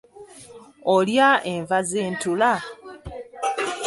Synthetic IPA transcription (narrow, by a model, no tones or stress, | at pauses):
oljaʔeɱvazeːntula